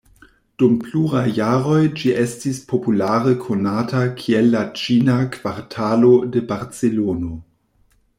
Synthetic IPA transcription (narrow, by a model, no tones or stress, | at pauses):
d̥umpluɾajːaɾo̞jd͡ʒiʔestispʰo̞pulaɾəkʰonatakʰielːat͡ʃinakv̥aɾtʰalo̞debaɾt͡selono